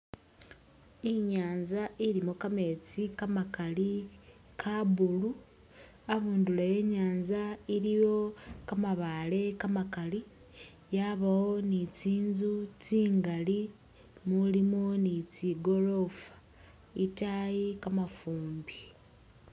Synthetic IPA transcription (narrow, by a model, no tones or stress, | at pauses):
iɲaːnzaʔiɾimokame̞t͡sikamakali | kʰabulu | aβuːndulaje̞ɲaːnzaiɾijo̞kamaβale̞kamakali | jaβawo̞nit͡siːnzut͡siːŋɡali | mulimonit͡siɡo̞lo̞fḁ | itajikamafuːmbi